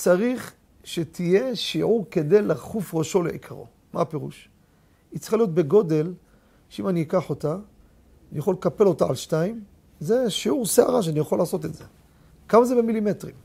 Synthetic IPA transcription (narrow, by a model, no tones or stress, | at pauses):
t͡saʁiχ | ʃet̪ʰije̞ʃiʕuʁke̞d̪ejlaχufʁaʃo̞lḛʔḭkʰaʁo̞̰ | mape̞ʁṵʃ | it͡si̥xalijo̞t̪̚be̞ɡo̞de̞l | ʃeimaniikaħo̞ta | nijaχo̞lekape̞lo̞taa̰lʃnaim | ze̞ʃiuʁsea̰ʁaʃ̬eanijaχolːaːso̞tetze̞ | kamazebemilimetʁim